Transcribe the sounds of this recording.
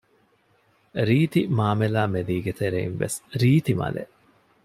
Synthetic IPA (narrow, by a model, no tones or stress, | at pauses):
ɾiːt̪imaːmelaːmed̪iːɡet̪eɾeinʋḛsɾiːt̪imɐ̰lḛʔ